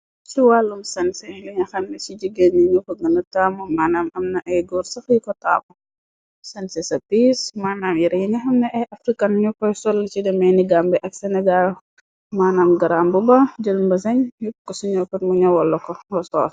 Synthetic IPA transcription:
siwalːumsɐnsɛjuɲɐxɐmnɛsid͡ʒiɡenːiɲukɔɡɐnɐtaːmɔmaːnamɐmnɐʔɐjɡɔːɾsɐfjikɔta̰ːmɔ | sɐnsɛsɐpismaːnamjiɾɛjiɲɐxɐmnɐʔɛjʔɐfɾikɐnɲukɔjsɔlːt͡ʃidɛmɛniɡambɛʔɐksɛnɛɡal | maːnamɡɐɾaːmbubɐd͡ʒɐlumbɐsɐɲjukkːɔsuɲɔkɐtmuɲɐwɔlːɐkɔɡɔsɔːs

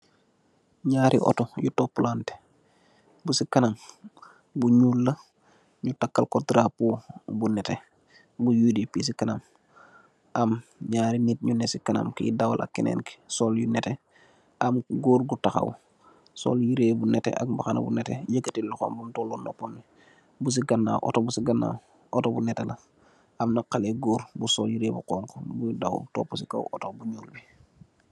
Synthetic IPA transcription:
ɲaːɾʔḭʔo̰ɔ̰tojutopulante̥ | busikɐnam | buɲulːɐ | ɲutakːalkotɾapubunɛte | bujudipis̬ikɐnam | ʔamɲaːɾinit̚ɲunesikɐna̰mkidawa̰lʔa̰kːinḛːnki̥soljunɛte | ʔamɡuːɾɡutaxa̰w | so̰ljiɾeːbunɛtḛʔa̰k̚baxana̰bṵnɛteɟəkːətilluxo̰mbumtolono̰pːonːi | bus̬iɡanːa̰wʔo̰tobusiɡanːa̰ | otobunɛtelɐ | amnaqaleɡuːɾbusoljiɾeːbuqoːŋkobujudawṵlto̰ːpːusika̰wʔotobuɲuːlbi

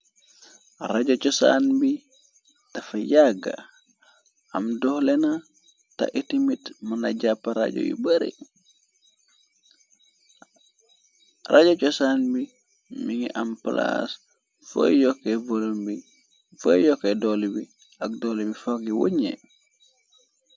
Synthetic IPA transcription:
ɾaɟot͡ʃɔsa̰ːnbi | tɐfajaɡa̰ | amdɔhlena | ta̰ʔitimitmanaɟapːaɾa̰ɟo̰jṵbəɾḭ | raɟot͡ʃɔsaːnbi | miŋiʔampla̰s | fo̰jokːevolombi | fojjɔkːedolbi | ak̚dolbifoɡiwo̰ɲḛ

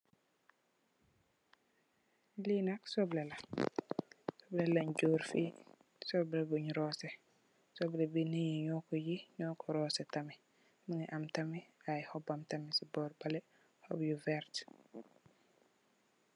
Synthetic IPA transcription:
linaksɔblela | sɔblɛlaɲɟoɾfḭ | sɔblebuɲɾɔːsɛ | sɔblebinijiɲɔkɔjiɲɔːkɔɾɔːsɛtami | maŋiʔamtamiajhɔbamtamisibɔːɾbalɛ | hɔ̰bjuvɛɾt

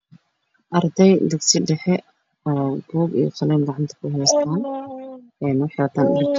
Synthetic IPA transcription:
ʔɐrd̪ɛjd̪ɛɡsiɖɛħɛ | ɔːb̥uːɡijɐ̰qɑlɛːnɡɑʕɑnt̪ʰɐ̥kʰʊɦɛjst̪ʰaːn | ɛːnwħɛwɐt̪ʰaːnʔɪrkʰ

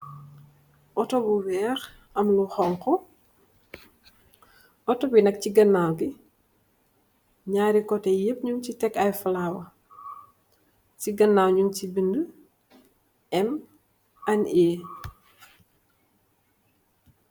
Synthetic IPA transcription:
ʔɔtɔbuwɛːx | ɐmluxɔŋkɔ | ʔɔtɔbinɐk̚ciɡɐnːawɡi | ɲaːɾikɔtɛjəp̚ɲuŋcitɛkːɐjfɐlaːwɐ | ciɡɐnːaːwɲuŋcibində | ɛm | ɐnɛː

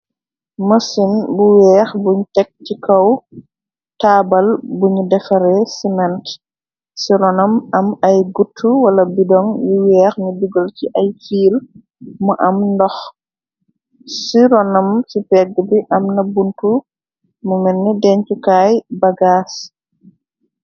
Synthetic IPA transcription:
mɐsinbuwɛːxbuɲtɛk̚cikɐw | taːbɐlbuɲudɛfɐɾɛsimɛnt | siɾɔnɐmɐmɐjɡutʰːuwɐlɐbidɔŋjuwɛːxɲudiɡɔlciʔɐjfiːl | muʔɐmndɔx | siɾɔnɐmsipɛɡːəbiʔɐmnɐbuntu | mumɛnːɛdɛɲt͡ʃukaːjbɐɡaːs

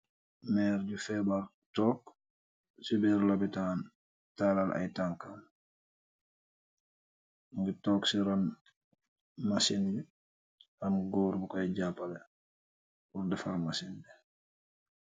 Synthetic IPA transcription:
mɛːɾɟufɛbaɾ | tɔːk | sibɛɾlabitaːn | talalʔa̰jtaŋkan | ŋɡitɔːksiɾan | masindɛ | hanɡɔːɾbukajɟapːalɛ | kuɾdɛfalmasindɛ

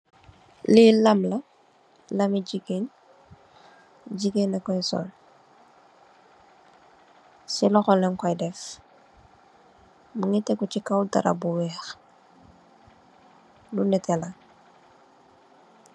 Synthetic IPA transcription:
lilɐmlɐ | lɐmiɟiɡen | ɟiɡenɐkɔjsɔ̰l | silɔxɔlːɛŋkɔjdɛf | muŋitɛkucikawda̰ɾɐ̰buwɛːx | dunɛtɛlɐ

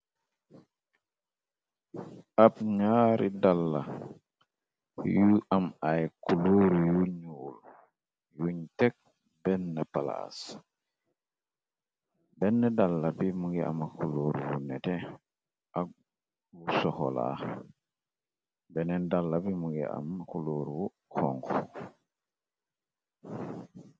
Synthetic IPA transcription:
ʔabɲaɾidalːa | juʔamajkuloɾijuɲwul | juɲtɛk̚ | bɛnːɛpala̰s | bɛnːɛdalːabimuŋɡɛʔa̰makuloːɾwunɛtɛ | ʔa | wusɔhɔ̰la̰ | bɛnɛndalːabimuŋɡɛ̰a̰makuloːɾwu | hɔ̰ŋkɔ

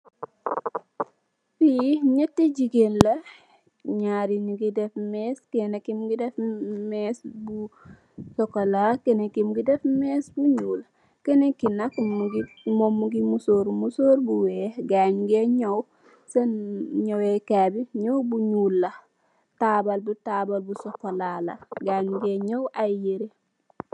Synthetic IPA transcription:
fiɲɛtːid͡ʒiɡenlɐ | ɲaɾiniɡidɛfmɛskɛnekimɡidɛfmesbu | sɔkɔlakɛnekimɡidɛfmɛsbuɲuːl | kɛnekinakɡ | momuɡimusoːɾmusoːɾbuweːɡaɲɡeɲow | senɲowekabiɲowbuɲuːlːɐ | tabalbutabalbusɔkolalɐ̰ɡaɲɡeɲowʔajiɾi

